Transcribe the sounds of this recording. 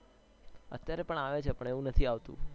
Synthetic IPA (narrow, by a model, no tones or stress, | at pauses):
ə̰t̪jaɾepəɳaʋet͡ʃʰepəɳeʋũnət̪ʰiaʋt̪ṵ̃